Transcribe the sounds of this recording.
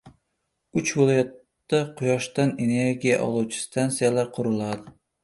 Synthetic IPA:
ʊt͡ʃvɪlˠɒjat̪ːaqʰʊjɒʃt̪ane̞ne̞ɾɡʲija̰ʔɒ̰lˠuwt͡ʃʰɪ̥st̪ʰansijalaɾqʰʊɾɪlˠad̪ɪ

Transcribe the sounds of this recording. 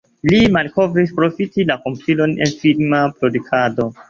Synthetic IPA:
limalko̞vɾispɾo̞fitilako̞mpʰilo̞ne̞̰nfilmapɾo̞dukʰado̞

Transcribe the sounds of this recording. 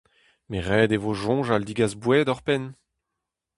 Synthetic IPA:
meʁɛːd̪evoʒɔ̃ʒald̪iɡazbwɛd̪ɔʁpɛn

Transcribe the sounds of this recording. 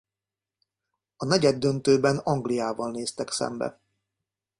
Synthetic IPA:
ɒnɛɟɛd̪ːønt̪øːbɛnɒŋɡlijaːvɒlneːst̪ɛksɛ̰mbɛ̰

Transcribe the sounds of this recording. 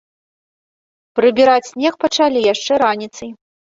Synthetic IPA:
pɾɨbʲiɾat͡sʲsʲnʲɛxpɐt͡ʂalʲijaʂt͡ʂɛɾanʲit̪sɐj

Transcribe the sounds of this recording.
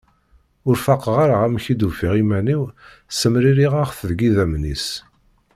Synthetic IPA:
ʊɾfaqːəʁaɾaʁæmçid̪ufiʁimæniw | səmɾiɾiʁaχθəðɡiðæmnis

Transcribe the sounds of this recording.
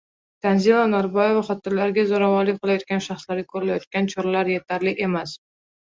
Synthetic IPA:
t̪ʰanzilˠanaɾbɒjevaχɒt̪ɪɾlaɾɡʲazoɾavɒɾlɪk̚ʲqʰɨlˠajɒt̪̚kʲanʃaχslaɾakʰɵɾɯlajɒt̪̚kʲant͡ʃʰoɾlaɾje̞t̪ʰaɾlɪʔe̞mas

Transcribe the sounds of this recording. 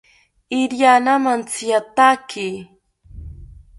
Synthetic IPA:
ɪɾjanamant͡sijat̪aki

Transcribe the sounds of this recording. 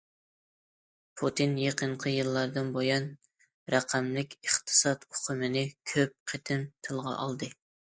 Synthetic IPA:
pʰut̪ʰɨnjeqʰəɴqʰəjɨlˠːɑɾd̪ɨnbojɑn | ɾæqʰæmlɪkʲʰəχt̪ʰɨ̥sɑt̪oqʰəmɪnɪkʲʰøp̚qʰet̪ʰɪnt̪ʰɨlˠʁɑ̰ʔɑ̰lˠd̪ɨ

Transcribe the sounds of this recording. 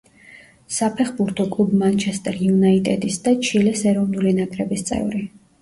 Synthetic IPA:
sapʰɛχbuɾt̪ʰɔkʼlˠubmant͡ʃʰɛst̪ʼɛɾjunait̪ʼɛd̪isd̪at͡ʃʰilɛsɛɾɔvnulinakʼɾɛbist̪sʼɛ̰vɾi

